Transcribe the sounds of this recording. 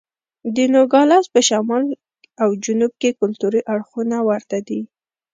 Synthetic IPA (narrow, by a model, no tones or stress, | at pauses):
d̪ənoɡɑlɑspəʃamɑl | awd͡ʒʊnub̚kekʊlt̪uɾiʔaɽxunawaɾt̪ad̪i